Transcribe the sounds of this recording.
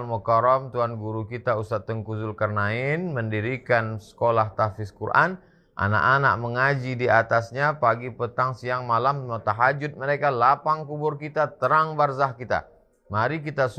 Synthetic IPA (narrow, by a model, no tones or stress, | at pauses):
lmɔkaɾɔmt̪uɦanɡuɾukit̪ausat̪ːəŋkuzʊlkərnaɪnməndiɾikansə̥kolaht̪afɪskurʔa̰n | ʔa̰na̰ʔanaʔ̚məŋad͡ʒidiat̪asɲapaɡipət̪aŋsiaŋmalammat̪aɦad͡ʒʊt̪̚məɾekalapaŋkubʊrkit̪at̪əɾaŋbarzahkit̪a̰ | maɾik̬it̪as